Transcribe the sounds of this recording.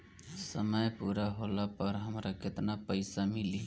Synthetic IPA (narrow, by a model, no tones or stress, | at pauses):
səməjpuɾaɦolapəɾɦəmɾaket̪napəɪsamili